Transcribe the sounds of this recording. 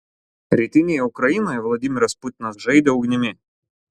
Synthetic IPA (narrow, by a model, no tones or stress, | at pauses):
ɾʲɪt̪ʲɨnʲɪjɐʊkɾɐinɐivlˠɐdʲimʲɪɾɐsput̪ʲnɐzʐɛjd̪ɐʊɡnʲɪmʲe